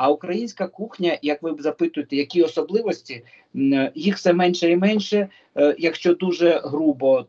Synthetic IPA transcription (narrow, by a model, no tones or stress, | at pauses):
ɐʊkɾɐjinʲsʲkɐkuxnʲɐjɐkʋɪzɐpɪt̪ʊjet̪ɛjɐkʲiɔsɔblˠɪʋɔsʲtʲi | jixfsɛmɛnʲʃɛimɛnʲʃɛ | jɐkʃt͡ʃɔd̪uʒɛɦɾubɔ